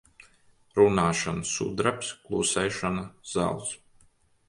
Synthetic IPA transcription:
ɾunaːʃanasṵd̪ɾapsklˠuːsɛjʃanaz̥a̰ːlˠs

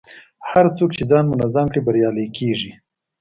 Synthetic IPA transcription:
haɾt͡sokt͡ʃed͡zɑnmʊnazamkɽibaɾjɑlekeʐi

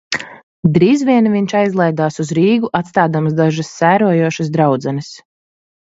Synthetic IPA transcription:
d̪ɾiːzviɛnviɲt͡ʃajzlˠɛjd̪aːsuzɾiːɡuʔat̪st̪aːd̪amsd̪aʒɐsːæːɾuɔjuɔʃɐsd̪ɾawd̪zɛnis

